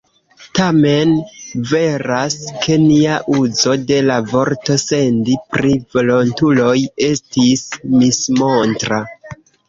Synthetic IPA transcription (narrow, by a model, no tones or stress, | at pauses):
tame̞nve̞ɾaskʰe̞niaʔuzo̞de̞lavo̞ɾto̞se̞ndipɾivo̞lo̞ntulo̞je̞stismismo̞ntɾa